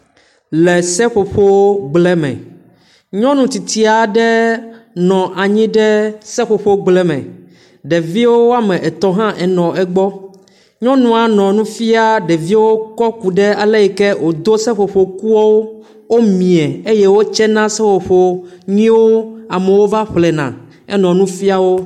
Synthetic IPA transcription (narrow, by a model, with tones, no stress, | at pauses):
lɛ˨sɛ˦ɸo˨ɸo˦wo˦ɡ͡blɛ˦mɛ̰̃˨ | ɲɔ̃˦nũ˨t̪i˨t̪i˦a˨ɖɛ˦nɔ̃˨ʔa˨ɲĩ˦ɖɛ˦sɛ˦ɸo˨ɸo˦ɡ͡blɛ˦mɛ̰̃˨ | ɖɛ˨vi˦wo˦wo˦a˦mɛ̃˨ʔɛ˨t̪ɔ˨ɦã˦ʔɛ˨nɔ̃˨ɛ˨ɡ͡bɔ˦ | ɲɔ̃˦nũ˨a˨nɔ̃˨nũ˦fi˦a˦ɖɛ˨vi˦wo˦kɔ˦ku˨ɖɛ˦a˨lɛ˦ɛ˨kɛ˦wo˨d̪o˦sɛ˦ɸo˨ɸo˨ku˦ɔ˦wo˦ | wo˦mĩ˨ɛ˨e˦je˦wo˦t͡ʃɛ˦nã˦sɛ˦ɸo˨ɸo˨ɲĩ˦wo˦a˨mɛ˨wo˦va˦ɸlɛ˨nã̰˨ | ɛ˦nɔ̃˨nũ˦fi˦a˦wo˦